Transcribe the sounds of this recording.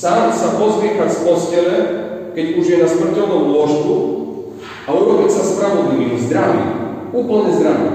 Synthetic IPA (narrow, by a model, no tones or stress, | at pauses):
saːnsapozʋiɛxacsposcɛlɛkɛcuʒjɛnasmr̩cɛlnɔmlɔʃt̪u | auɾobicsaspɾaʋɔd̪liʋimzd̪ɾaʋḭuːpl̩ɲɛzd̪ɾaʋḭ